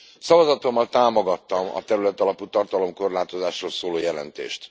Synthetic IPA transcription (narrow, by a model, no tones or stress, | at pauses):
sɒvɒzɒt̪o̞mːɒlt̪aːmo̞ɡɒt̪ːɒmɒ̰t̪ɛɾylɛt̪ɒlɒput̪ɒrt̪ɒlo̞mko̞rlaːt̪o̞zaːʃroːlsoːloːjɛlɛ̰nt̪ḛːʃt̪